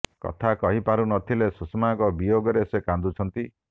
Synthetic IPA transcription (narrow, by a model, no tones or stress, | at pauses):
kɔ̰t̪ʰakɔɦipaɾunɔt̪ʰilesusmakɔbijoɡɔɾesekand̪ut͡ʃʰɔnt̪i